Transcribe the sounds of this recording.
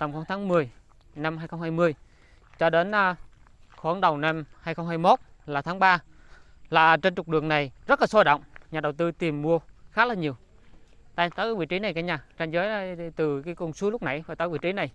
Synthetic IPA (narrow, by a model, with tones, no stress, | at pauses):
t̪ə˨˩ŋ͡mxt̪ʰaː˨˦ŋmɨ˨˩əj | na˧mhaː˧jxə˧wŋ͡mhaː˧jmɨ˧əj | t͡ɕɔ˧ɗe˨˦nː˧ | xo˧˦ə˨˦ŋɗə˨˩wna˧mhaː˧jxə˧wŋ͡mhaː˧jmo˦˥t̚ | laː˨˩t̪ʰaː˨˦ŋɓaː˧ | la̰ː˧˨˩t͡ɕe˧nt͡ɕʊ˨˩k͡p̚ɗɨ˨˩əŋna˨˩jzə˦˥t̚laː˨˩so˧˦ɗə̰˧˨wŋ͡mɲaː˨˩ɗə˨˩wt̪ɨ˧t̪i˨˩əmːu˧əxaː˦˥laː˨˩ɲi˨˩əw | t̪a̰˧˨jt̪aː˨˦kaː˨˦vḭ˧˨t͡ɕi˨˦na˨˩jkaː˨˦ɲaː˨˩t͡ɕa˧nzəː˨˦ja˧˩t̪ɨ˨˩kaː˨˦jkʊ˧˩ŋ͡msu˨˦lʊ˦˥k͡p̚na̰˧˩jvaː˨˩t̪aː˨˦vḭ˧˨t͡ɕi˨˦na˨˩j